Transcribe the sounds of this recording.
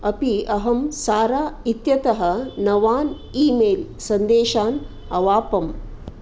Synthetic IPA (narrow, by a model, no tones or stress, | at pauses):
ɐpiɐɦɐmsaːɾaːit̪jɐt̪ɐɦɐ̆nɐʋaːn | iːmeːlsɐnd̪eːʃaːn | ɐʋaːpɐm